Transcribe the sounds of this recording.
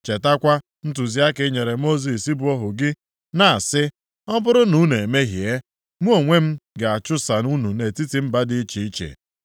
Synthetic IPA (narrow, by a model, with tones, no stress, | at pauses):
t͡ʃe˨ta˦kʷa˦ | n̩˦tu˨zi˨˦a˦kɪ˦ɲe˨ɾe˨mo˦zi˨si˦bʊ˦ɔ˦ɦʊ˨ɡɪ˦ | na˨a˨sɪ˦ | ɔ˦bʊ˦ɾʊ˦nu˦nu˨e˨me˦ɦje˦ | mu˦o˨ŋʷe˦m̩˦ɡa˨a˨t͡ʃʊ˦sa˨nu˦nu˨ne˨ti˦ti˨m̩˦ba˦dɪ˦t͡ʃi˨i˦t͡ʃḛ˨